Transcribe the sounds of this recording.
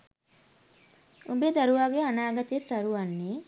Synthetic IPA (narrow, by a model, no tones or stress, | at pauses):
umbed̪aɾuʋaːɡeanaːɡat̪isaɾuʋanːe